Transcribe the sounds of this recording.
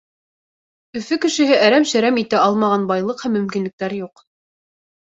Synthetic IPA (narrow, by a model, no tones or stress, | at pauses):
ɵ̆fɵkɘ̆ʃɘ̆ɦɘʔæɾæmʃæ̆ɾæmit̪ɘɑlˠmɑʁɑnbɑjlˠɤqhæmːɵ̆mkinlɘ̆k̚t̪æɾjuq